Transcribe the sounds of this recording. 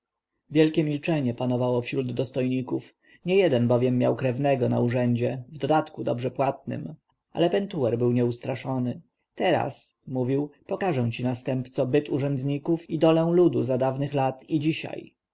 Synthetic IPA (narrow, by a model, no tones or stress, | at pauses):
vʲjɛlkʲɛmʲilt͡ʂɛɲɛpanɔvawɔfɕɾud̪ːɔst̪ɔjɲikuf | ɲɛjɛd̪ɛnbɔvʲjɛmːjawkɾɛvnɛɡɔna̰uʐɛɲd͡ʑɛvd̪ɔd̪at̪kud̪ɔbʐɛpwat̪̚nɘ̰m | ʔa̰lɛpɛnt̪uɛɾbɘwɲɛust̪ɾaʂɔnɘ | t̪ɛɾa̰smuvʲiwpɔkaʐɛw̃t͡ɕinast̪ɛmpt̪sɔbɘt̪uʐɛnd̪ɲikufid̪ɔlɛ̃w̃lud̪uzad̪avnɘxlat̪id͡ʑiɕa̰j